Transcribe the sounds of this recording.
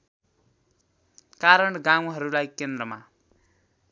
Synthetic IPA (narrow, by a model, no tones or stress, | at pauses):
kaɾʌɳɡãw̃ɦʌɾulajkend̪rʌma